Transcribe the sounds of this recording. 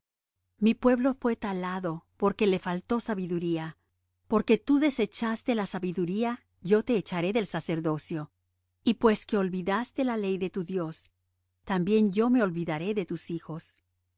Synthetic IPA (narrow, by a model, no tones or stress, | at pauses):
mipwe̞βlo̞fwe̞t̪alaðo̞po̞ɾke̞le̞falt̪o̞saβiðuɾia | po̞ɾke̞t̪uðe̞se̞t͡ʃast̪e̞lasaβiðuɾia | ʝo̞t̪e̞ːt͡ʃaɾe̞ðe̞lsase̞ɾðo̞sjo̞ | ipwe̞ske̞o̞lβiðast̪e̞lale̞jðe̞t̪uðjo̞s | t̪ambje̞nd͡ʒo̞me̞o̞lβiðaɾe̞ðe̞t̪usixo̞s